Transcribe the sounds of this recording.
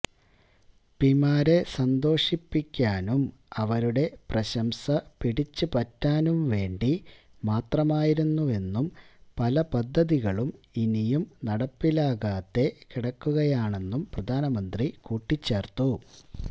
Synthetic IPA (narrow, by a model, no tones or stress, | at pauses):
pimaːɾe̞sɐnd̪o̞ːʂipːikʲːaːnumɐʋɐɾuɽe̞prɐɕɐmsɐpiɽit͡ɕːɨpɐtːaːnumʋe̞ːɳɖimaːt̪rɐmaːjiɾunːue̞nːumpɐlɐpɐd̪ʱːɐðiɣɐɭuminijumnɐɽɐpːilaːɣaːt̪ːe̞kiɽɐkːuɣɐjaːɳe̞nːumprɐd̪ʱaːnɐmɐnd̪rikuːʈːit͡ɕːe̞ːrt̪ːu